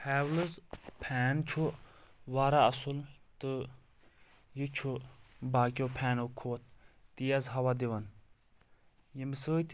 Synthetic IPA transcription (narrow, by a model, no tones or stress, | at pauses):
pɛːwlɨzpʰɛːnt͡ʃʰuʋaːɾaɐsult̪ɨ | jit͡ʃʰubaːkʲjopʰɛːnokʰoːt̪̚ʰːijazɦɐʋad̪iʋɐn | jimsəːt̪ʰ